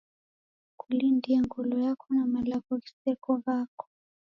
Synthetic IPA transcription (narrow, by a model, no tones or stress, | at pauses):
kulindiaŋɡɔlɔjakʰɔnamalaɣɔɣi̥sɛkɔɣakɔ̥